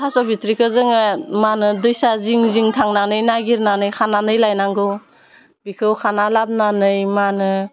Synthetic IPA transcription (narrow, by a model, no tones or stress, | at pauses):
hʰasɔbitɾikʰɯzɯŋɯmanɯdɯjsaziŋziŋtʰaŋnanɯjnaɡiɾnanɯjkʰananɯjlajnaŋɡɯw | bikʰɯwkʰanalab̚nanɯjmanɯ